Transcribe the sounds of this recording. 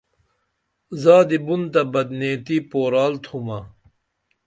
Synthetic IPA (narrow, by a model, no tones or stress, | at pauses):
zaːd̪ibunt̪ɐbɐd̪neːt̪ipoːɾaːlt̪ʰuma